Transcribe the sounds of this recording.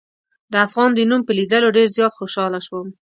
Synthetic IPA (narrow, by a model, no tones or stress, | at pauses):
d̪əafɣɑnd̪ənumpəlid̪əloɖeɾzjɑt̪xoʃɑlaʃwəm